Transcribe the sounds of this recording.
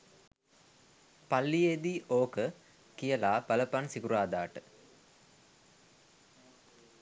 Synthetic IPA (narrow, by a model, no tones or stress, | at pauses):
pɐlːijeːd̪iʔoːkə | kijɐlaːpɐlɐpɐnsikuɾaːd̪aːʈɨ